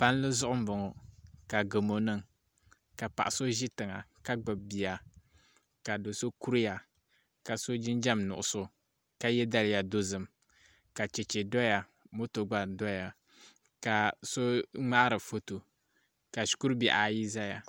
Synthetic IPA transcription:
pa˦n˦lɨ˦zʊ˦ʔʊ˦m̩˦bʊ˨ŋo˨ka˨ɡɨ˨mo˨nɨ˦ŋ | ka˨pa˨ʔa˨so˦ʒi˦tɨ˨ŋa̰˨ka˦ɡ͡bɨ˨bbi˨a˨ | ka˨do˨so˦ku˦ɾi˦ja˨ | ka˨so˦d͡ʒɪ˦nd͡ʒa˦mnʊ̰˨ʔʊ˨so˦ | ka˦jɛ˦da˦lja˨do˦zɨ˨m | ka˨t͡ʃɛ˨t͡ʃe˨dɔ˦ja˨ | mo˦to˨ɡ͡ba˨dɔ˦ja˨ | ka˨so˦ŋ͡ma˦ʔɾɨ˨fo˦to˨ | ka˨ʃku˦ɾbi˨ʔa˨ji˦za˦ja˨

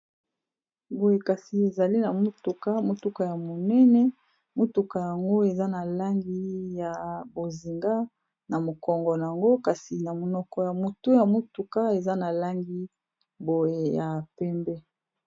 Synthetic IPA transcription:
bo˨je˨ka˨si˨e˨za˨li˦na˨mo˦tu˨ka˦mo˨tu˦ka˨ja˨mo˨nɛ˦nɛ˦ | mo˦tu˨ka˨ja˨ŋɡo˦e˨za˦na˨la˦ŋɡi˦ja˨bo˨zi˨ŋɡa˦ | na˨mo˨kɔ˨ŋɡɔ˨na˨a˨ŋɡo˦ka˨si˨na˨mo˨nɔ˦kɔ˦ja˨mo˨to˦ja˨mo˦tu˨ka˦e˨za˦na˨la˦ŋɡi˦ | bo˨je˨ja˨pɛ˦mbɛ˦

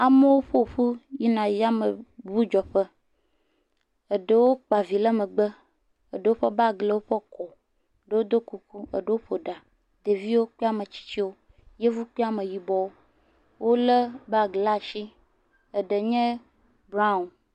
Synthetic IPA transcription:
a˨me˦wo˦ɸo˦˨ɸu˦ji˦nã˨ja˦mə˨bu˦d͡ʒɔ˨ɸə˦ | ə˨ɖə˦wo˦k͡pa˨vi˨lə˦mə˨ɡ͡bə˦ | ə˨ɖə˨wo˦ɸə˦ba˦ɡle˦wo˦ɸə˦kɔ˨ | ɖə˦wo˦d̪o˦ku˨ku˦ə̰˨ɖə˨wo˦ɸo˨ɖa˨ | d̪e˨vi˦wo˦k͡pe˦a˦me˨t͡ɕi̥˦t͡ɕi˦wo˦ | je˦vu˦k͡pe˦a˦me˨ji˨bɔ˨wo˦ | wʔo˦lə˦ba˦˨ɡla˨ʃi˦ | ə˨ɖə˨ɲɛ̃˦ | bɾa˦u˨n

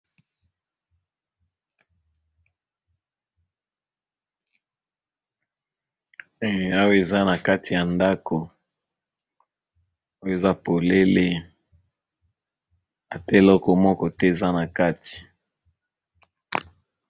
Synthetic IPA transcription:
a˦wo˦e˨za˦na˨ka˦ti˨ja˨nda˦ko˨ | a˦wo˦e˨za˦po˨le˦le˦ | a˨tɛ˦e˨lɔ˦kɔ˨mɔ˦kɔ˦tɛ˦e˨za˦na˨ka˦ti̥˨

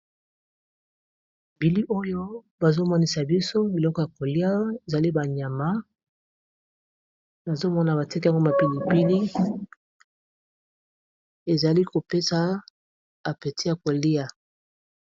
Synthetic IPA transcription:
bi˨li˦ʔo˦jo˦ | ba˨zo˦mɔ˦ni˦˨sa˨bi˦so˦bi˨lɔ˦kɔ˨ja˨ko˨li˦a˦e˨za˨li˦ba˨ɲa˨ma˦ | na˨zo˦mɔ˦na˨ba˨ti˦ka˨ŋɡo˦ma˨pi˨li˨pi˦ni˦ | e˨za˨li˦ko˨pe˦sa˨˦ | a˨pe˨ti˦ja˨ko˨li˦a˨

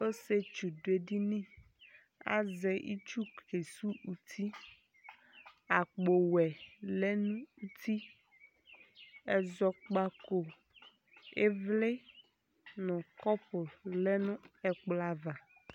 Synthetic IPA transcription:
o˦se˦t͡ʃu˨do˨e˨ɖi˦nĩ˦ | a̰˦zɛ˨ʔḭ˦t͡ʃu˦ke˨su˦u˨t̪ʰi˦ | a˨k͡po˨wɛ˨le˦nũ˦u˦t̪ʰi˦ | ɛ˨zɔ˨k͡pa˦ko˨ | ḛ˦vle˦ | nɔ̃˨kɔ˦po˨lɛ˦nũ˦ɛ˨k͡pla˦va˨

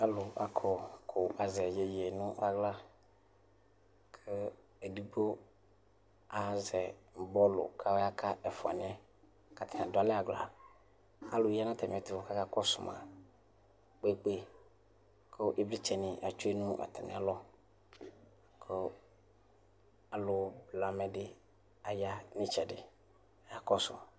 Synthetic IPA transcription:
a˦lʊ˨ʔa˦kʰɔ˦kʰo˨ʔa˨zɛ˨je˨je˨nʊ̃˦ʔa˦ɡla˦ | kʰə˦ | e˨di˨bo˦ | a˨˦zɛ˨m˨bɔ˦lʊ̰˨kʰa˦wa˦kʰa˦ɛ˨fo˨a̰˨nɪ̃˦ɛ˦ | ka˨t̪ʰa˨ã˨dʊ˨a˨lɛ˦a˨ɡla̰˨ | a̰˦lʊ˨i˦a˦nã˦t̪ɛ˨m˨ɛ˨t̪ɪ˨vɔ˨ka˦ka˦kɔ˦sʊ̰˨ma̰˨ | k͡pe˦˨˦k͡pe˦˨ | kʰo˦ʔi˦bli˦t͡ʃɛ˨nɪ̃˨ʔa˨t͡ʃu˦e˦nʊ̃˦a̰˨t̪ʰa˨nɪ̰˨a˦lɔ˦ | kʰo˦ | a˨lʊ˨bla˨mɛ˨dɪ˦ | a˨ja˦nɪ̃˦t͡ʃɛ˨dɪ̰˨ | a˨kɔ˦sʊ̰˨

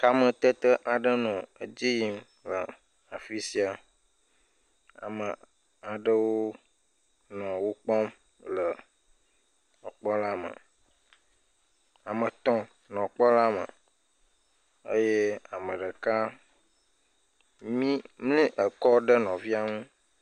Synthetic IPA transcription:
ka˦mə̃˦t̪ə˦t̪ə˦ʔa˨ɖə˦nɔ̃˨ə˨d͡ʑi˦ji˦m | lə˨ | a˨fi˦si˦a˨ | a̰˨mə˨ | a˨ɖə˦wo˦ | nɔ̃˨wo˦k͡pɔ˦m | lə˨ | ɔ˨k͡pɔ˦la˦mə̰˨ | a˨mə̃˨t̪ɔ̃˦ | nɔ̃˨k͡pɔ˦la˦mə̰̃˨ | ə̰˦je˦a˨mə̃˨ɖə˨ka˦ | mĩ˦mlĩ˦ʔə˨kɔ˦ɖə˦nɔ̃˨vi˦a˦ŋũ˦

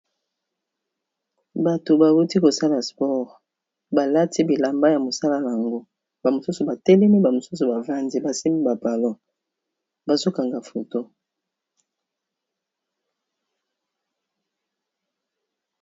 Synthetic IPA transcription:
ba˨to˨ba˨wu˦ti˦ko˨sa˦la˨spɔ˦ʁ | ba˨la˦ti˦bi˨la˨mba˦ja˨mo˨sa˦la˦la˨ŋɡo˦ | b̥a˨mo˨su˦so˨ba˨te˦le˦mi˦ba˨mo˨su˦s̬o˨ba˨va˦ndi˦ba˨si˦mi˦ba˨pa˨lɔ˦ | ba˨zo˦ka˨ŋɡa˨fo˨to˦

